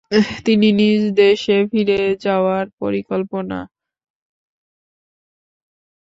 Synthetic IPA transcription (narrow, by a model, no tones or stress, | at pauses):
t̪ininid͡ʑd̪eʃefiɾed͡ʑaoaɾpoɾikolpona̰